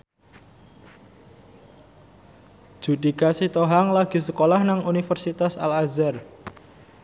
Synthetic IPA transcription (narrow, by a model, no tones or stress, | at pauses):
ʒ̥ud̪i̤kasit̪oɦaŋlaɡ̥i̤səkolahnaŋunifərsit̪asa̰lazɛr